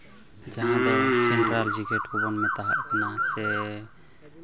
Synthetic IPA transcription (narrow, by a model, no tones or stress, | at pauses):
d͡ʒaɦãd̪ɔsɛɳʈɾaɾd͡ʒiɡʱɛʈkubɔnmɛt̪aɦa̰ʔkanasɛ